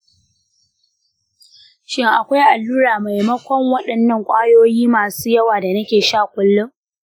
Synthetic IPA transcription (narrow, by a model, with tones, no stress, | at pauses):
ʃɪ˦ŋʔa˨kʷa˦jʔa˨lːuː˦ɽaː˨ma˨jmɐ˦kʷɔ˦ŋwɐ˦ɗɐ˨nːɐ˦˨ŋkʷʼaː˦joː˦jiː˦maː˨suː˦jɐ˦waː˨da˨nɐ˦kʲeː˨ʃaː˦˨kʷʼʊ˦lːʊ˦ŋ